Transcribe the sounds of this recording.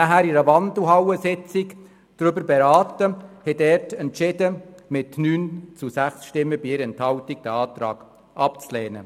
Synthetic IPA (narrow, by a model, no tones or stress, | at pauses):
næɦæːɾɪɾəʋɑndl̩ɦɑwəsɪt͡sɪk | d̥ɾʏbəɾbɛɾɑːtəhɛdɛɾtɛntʃɪdəmɪtnyːnt͡susæχsʃtɪmːəbiɪɾɛnthɑwtik̚d̥æɑːt̪ɾɑ̰ːɡ̥ | ʔɑpt͡slɛːnə̰